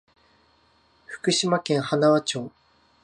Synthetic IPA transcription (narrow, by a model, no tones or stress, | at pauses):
ɸɯ̟̥kɯ̟ɕimakẽ̞ɰ̃hanaβat͡ɕo̞ː